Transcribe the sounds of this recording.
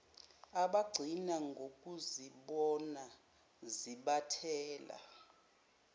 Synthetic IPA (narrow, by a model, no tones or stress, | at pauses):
aɓaɡ͡ǀʱinaŋɡʱok̬ʼuziɓɔna | ziɓatʰɛːla̰